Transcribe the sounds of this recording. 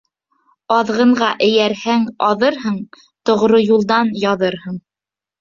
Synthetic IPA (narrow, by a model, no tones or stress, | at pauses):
ɑðʁɤ̆ɴʁɑʔɘ̆jæɾhæŋɑðɤɾɦɤɴ | t̪ŏʁɾojulˠd̪ɑnjɑðɤɾhɤɴ